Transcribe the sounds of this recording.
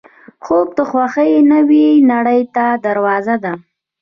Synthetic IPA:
xob̚d̪əxwaxəjnəwinaɽəjt̪ad̪aɾwɑzad̪a

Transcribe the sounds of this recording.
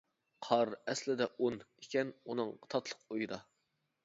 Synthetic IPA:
qʰɑɾɛslɪd̪ɛʔunekʲɛnunɨŋt̪ʰɑt̪ʰlˠə̥qojɨd̪ɑ

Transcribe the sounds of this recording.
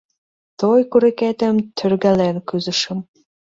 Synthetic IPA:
t̪ojkuɾeket̪ə̆mt̪ʰørɣælenkyzə̆ʃə̆m

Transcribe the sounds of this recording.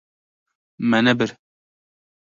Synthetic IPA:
mɛnɛbɪɾ

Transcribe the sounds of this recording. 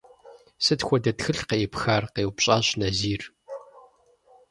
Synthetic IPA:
sɨtxʷɔdɐtxɨɬqeːpxaːrqeːwpɕʼaːɕnɐziːr

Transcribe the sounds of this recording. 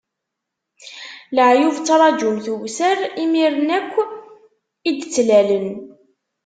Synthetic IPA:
ləʕjuvt͡sːɑɾˤɑd͡ʒumθuwsəɾimiɾənækʷː | id̪t͡sːlælən

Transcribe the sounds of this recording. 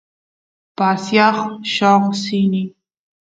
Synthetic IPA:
pasjɑχʃɑʁsini

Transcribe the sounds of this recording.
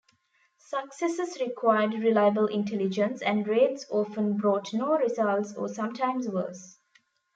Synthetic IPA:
səksɛsəsɾɪkʰwaɪəɖɾɪlaɪəbəlʔɪ̃nʈʰɛlɪd͡ʒə̃nsæ̃ɳɖɾeːʈsɔːfə̃nbɾɔːʈnoːɾɪzʌlʈsɔ̰ːsʌ̃mʈʰãɪ̃msʋə̰ːs

